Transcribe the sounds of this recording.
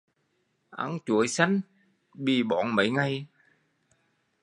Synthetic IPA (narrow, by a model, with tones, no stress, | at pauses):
ʔa̰˧˦ŋt͡ɕu˧˩əjsa˨˦ŋ̟ | ɓi˧˩ɓɔ˧˩nmə̰˧˨˦jŋa˧j